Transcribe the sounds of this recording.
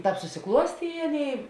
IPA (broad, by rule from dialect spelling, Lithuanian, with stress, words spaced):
ˈtɑːp sʊsʲɪˈklˠuɔsʲtʲeː ɪ ˈɑːˌnʲeːɪ